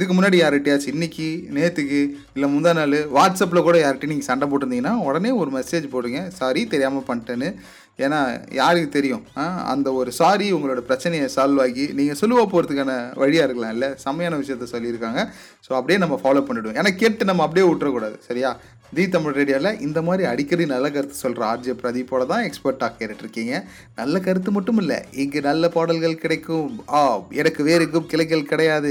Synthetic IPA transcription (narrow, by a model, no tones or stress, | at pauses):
ɪðɯk̬ːɯmʊnːaːɽijaːɾɐʈːɪjaːt͡ʃɯɪnːɪkːɯneːt̪ːɯkːɯ | ɪlːɐmʊnd̪aːnaːlɯʋaːʈsɐp̬ːlɐkuːɽɐjaːɾɐʈːɯniːŋɡɐsɐɳɖɐp̬oːʈːɪɯnd̪iŋɐnːaːɔɽɐneːɔɾɯmɛseːd͡ʒpoːɾɯŋɡɐsaːɾit̪ɛɾɪjaːmɐpɐɳːʈːɐnːɯ | eːnːaːjaːɾɯkːɯt̪ɛɾɪjʊ̃aːɐ̰nd̪ɐɔɾɯsaːɾiʊŋɡɐɭoːɽɐpɾɐt͡ʃːɐnɐjɐsaːlʋaːŋɡiniːŋɡɐsɔlːɯʋaːpoːɾɐðɯkːaːnɐʋɐɻɪjaːɪɾɯkːɐɭãːɪlːɐsɐmɐjaːnɐʋɪʂɐjɐt̪ːɐsɔlːɪɪɾɯkːaːŋɡɐ | soːɐp̬ːɐɽɪjeːnɐmːɐfaːloːpɐɳːɪɽɯʋ̃ḛːnaːkeːʈːɯnɐmːɐɐp̬ːɐɽɪjeːʊʈːɾɐkuːɽaːðɯsɐɾɪjaː | d̪iːt̪ɐmɪɭɾeːɽɪjaːɪlːɐʔɪnd̪ɐmaːd̪ɾiɐɽɪkːɾɐðinɐlːɐk̬ɐɾɯt̪ːɯ̥sɔlɾaaːɾd͡ʒɐpːɾɐðɪpːoːɽɐt̪ãːɛkspɐɾʈːaːɣɐɪɾɐʈːɪɾɯkːiːŋɡɐ | nɐlːɐkɐɾɯt̪ːɯmɐʈːɯmɪlːɐ̰ɪŋɡɐnɐlːɐpaːɽɐlɣɐɭkɪɽɐɪkːɯ̃aːɛɽɐkːɯʋeːɾɯkːɯmkɪlɐk̬ːɐɭkɪɽɐjaːðɯ